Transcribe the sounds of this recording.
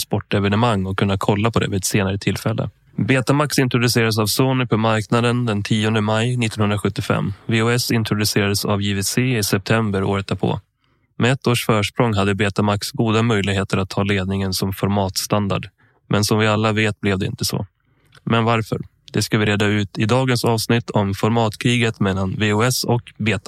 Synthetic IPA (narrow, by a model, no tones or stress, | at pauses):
spɔʈːɛvɛnɛmaŋːɔkʰːɵnːakʰɔlːapʰɔd̪ɛ̰vɪɛt̪seːnaɾət̪ʰɪlːfɛlːə̰ | beːt̪amaksɪnt̪ɾʊd̪ɵseːɾad̪əsavsuːnɪɾpʰɔmaɾknad̪ənd̪ɛnt̪ʰiːɔnd̪əmajnɪt̪ːɔnhɵnɾaɧɵt̪ːɪfɛ̰mːveːʊɛsɪnt̪ɾʊd̪ɵseːɾad̪əsa̰vjivɪseːɪsɛp̚t̪ʰɛmbəɾo̰ːɾət̪̚d̪apʰɔ̰ | mɛɛt̪ːoːʂfœːʂpɾɔŋɦad̪ːəbeːt̪amaksɡuːd̪amœjlɪɡɦeːt̪əɾat̪ʰːɑːleːd̪̚nɪŋənsɔmfɔɾmɑːt̪st̪and̪a̰ɖ | mʔɛnsɔmvɪalːaveːt̪̚blɛvd̪ɛɪ̰nt̪əsɔ̰ | mɛnvaɾfœ̰ɾ | d̪̥ɛskavɪɾeːd̪ːaʉ̟ːt̪ɪd̪ɑːɡənsɑːvsnɪt̪ːʰɔmfɔɾmɑːt̪kʰɾiːɡət̪mɛlːanveʊɛsɔkbeːt̪ḁ